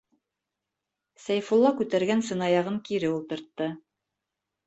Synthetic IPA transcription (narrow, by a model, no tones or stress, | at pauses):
sæjfulˠːɑkʉt̪æɾɡænsɘ̆nɑjɑʁɤŋkiɾɘulˠt̪ɤ̆ɾt̪ːɤ